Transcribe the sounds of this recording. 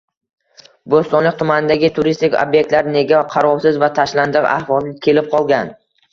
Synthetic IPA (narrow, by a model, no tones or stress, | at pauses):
bost̪ɒnlɪk̚ʲt̪ʰʊmanɪd̪aɡʲɪt̪ʰʊɾist̪ɪkʲo̰bjek̚t̪laɾne̞ɡʲaqʰɑɾɒwsɪzvat̪ʰaʃland̪ɨqa̰hvɒlˠnɪkʲʰe̞lɪp̚qʰɒlˠɡʲan